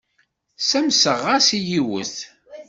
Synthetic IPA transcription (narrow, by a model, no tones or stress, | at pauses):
sæmsəʁasijiwə̰θ